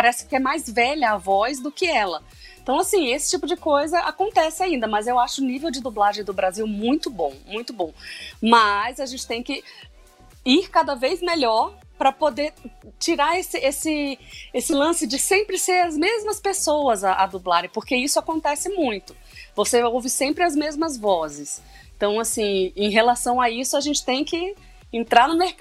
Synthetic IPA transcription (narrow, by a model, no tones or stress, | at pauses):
paɾɛsɪ̥kɪɛmajzvɛʎɐːvɔzd̪ʊkɪɛlɐ | ẽt̪ɐ̃w̃asĩesɪ̥t͡ʃipʊd͡ʒɪkojzɐʔakõnt̪ɛsɪaĩnd̪ɐmɐzewaʃʊʊnivewd͡ʒɪd̪ublaʒẽd̪ʊbɾaziwmũj̃t̪ʊbõ̰w̃mũj̃t̪ʊbõw̃mɐzaʒẽnt͡ʃɪ̥t̪ẽj̃kɪ | iɾkad̪ɐvejzmeʎɔɾ | pɾɐpod̪eɾt͡ʃiɾaɾesɪesɪesɪlɐ̃sɪd͡ʒɪsẽmpɾɪseɾɐzmezmɐspesowɐzaʔad̪ublaɾɪ̃poɾkeisʊakõnt̪ɛsɪmũj̃t̪ʊ̥ | voseowvɪsẽmpɾɪɐzmezmɐzvɔzɪs | ẽt̪ɐ̃w̃asĩẽj̃ɦelasɐ̃w̃aisʊaʒẽnt͡ʃɪ̥t̪ẽj̃kɪ | ẽnt̪ɾaɾnʊmeɾk